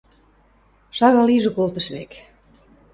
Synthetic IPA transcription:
ʃɑɣɑliʒɤ̆kolt̪əʃβḛk

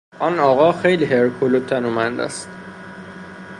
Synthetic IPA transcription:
ʔɒnɒːɣɒːxejliɦeɾkʰolot̪ʰːænumænd̪æ̰st̪

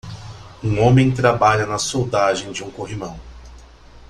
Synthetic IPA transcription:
ũõmẽj̃t̪ɾabaʎɐnɐsowd̪aʒẽj̃d͡ʒɪũkoɦimɐ̃w̃

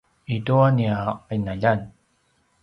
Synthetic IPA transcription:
ituaniaainaʎan

